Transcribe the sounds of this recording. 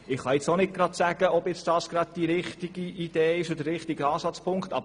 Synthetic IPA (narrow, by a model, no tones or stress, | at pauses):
ɪχːɑjɪt͡sonɪt̚ɡ̥ɾɑd̪sæɡ̥əɔbjɪt͡sd̥ɑːsɡ̥ɾɑd̪̚d̥iɾɪχtiɡ̥iid̥̪eːɪʃodəɾɪχtiɡəɑːsɑt͡spʰʊŋktɑ̰b